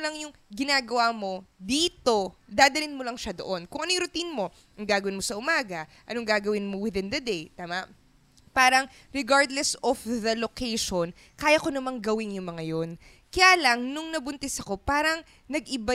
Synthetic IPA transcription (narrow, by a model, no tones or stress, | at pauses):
lɐŋjʊŋɡɪnaːɡɐwamo̞d̪iːt̪o̞d̪aːd̪ɐlɪnmolɐŋʃɐd̪o̰ʔo̞nkʊŋʔɐnojɾʊt̪inmo̞ | ɐŋɡaːɡɐwɪnmo̞sɐʔʊmaːɡɐʔɐnoŋɡaːɡɐwɪnmowɪðɪnd̪ɐd̪ejt̪aːmɐʔ | paːɾɐŋ | ɾɛɡaɹd̪lɛsɔfðɐlokejʃon | kaːjɐko̞nɐmɐŋɡɐwɪŋjʊŋmɐŋɐjon | kɐjaːlɐŋnʊŋnɐbʊnt̪ɛsɐko̞paːɾɐŋ | nɐɡʔɪba